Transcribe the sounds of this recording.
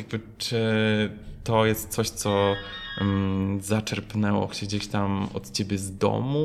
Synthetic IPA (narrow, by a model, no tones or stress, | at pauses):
jaɡ̚bɘt͡ʂɘ | t̪ɔjɛst̪̚t̪sɔɕt̪sɔ | zat͡ʂɛɾpnɛwɔ̰ɕɛɡd͡ʑeɕt̪amɔ̰t̪t͡ɕebʲjɛzd̪ɔ̰mu